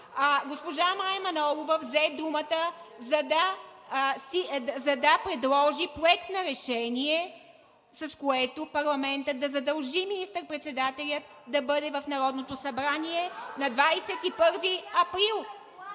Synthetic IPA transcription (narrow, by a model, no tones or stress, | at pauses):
aɡospoʒamajmɐnɔlˠovəvzɛd̪umət̪əzɐd̪ɐ | sizɐd̪ɐpɾɛd̪lˠɔʒipɾoɛkt̪nɐɾɛʃɛniɛ | sɐskoɛt̪opɐɾlˠɐmɛnt̪ət̪d̪ɐzɐd̪ɐlˠʒiminist̪əɾpɾɛt̪sɛd̪at̪ɛlʲət̪ | d̪ɐbɤd̪ɛvɐfnɐɾɔd̪not̪osɐbɾaniɛnɐd̪vajsɛt̪ipɤɾviɐpɾilˠ